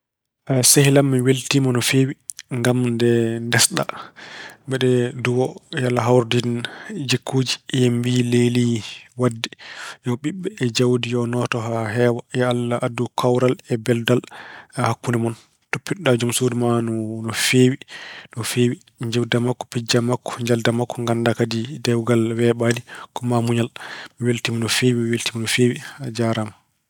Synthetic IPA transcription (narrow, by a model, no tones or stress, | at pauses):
ʔasehilamːiweltimɔnɔfeːwiŋɡamndɛndɛsɗa̰ | bɛɗɛduwɔjalːaɦawɾdind͡ʒekʰːuːd͡ʒi̥jembileliwadːijɔɓiɓːɛːd͡ʒawdijɔnɔtɔhaɦɛwajɛalːaʔadːukʰawɾalɛbɛldalhakːunɛmɔn | topːiɗad͡ʒumsodumanɔnɔfewinɔfeːwi | ɲd͡ʒɛwdamakːɔ̥pid͡ʒamakːɔ̥ɲd͡ʒaldamakːɔŋɡandakadidɛwɡalwɛɓadikɔmamuɲalmiweltiminɔfeːwimweltimɔnɔfeːwihad͡ʒaɾama